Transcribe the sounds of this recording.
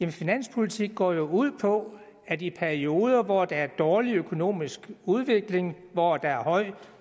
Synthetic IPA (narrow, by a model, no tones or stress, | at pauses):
jemnfinæn̰spʰolit͡sʰiɡ̥̚ːɒ̰ːjo̝uð̞̰ˠpʰɒ̽ | æd̥ipʰæɐio̝ːð̞ˠɐʋɒd̥ɑ̈æɐd̥ɒːliøkʰo̝no̝̰ːmisɡ̥uð̞ˠʋe̝ɡ̥le̝ŋ | ʋɒd̥ɑ̈æɐhɒ̽ɪ̰